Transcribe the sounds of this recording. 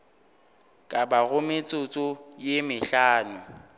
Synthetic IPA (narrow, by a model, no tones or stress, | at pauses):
kʼabaɣʊmɪt͡sʼʊt͡sʼʊjemɪɬaːnʊ